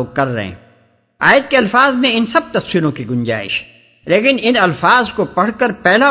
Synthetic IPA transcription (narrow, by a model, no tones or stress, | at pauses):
ɡ̚kɐɾːɐ̰ɦḛ̃ | a̰ːjəd̪̚keɐlfaːzmẽɪnsɐb̚t̪ɐfsiːlõkiɡʊ̃nd͡ʒa̰ːɪ̰ʃ | leːkɪnɪnɐlfaːzkopɐɽ̤kəɾpɛːla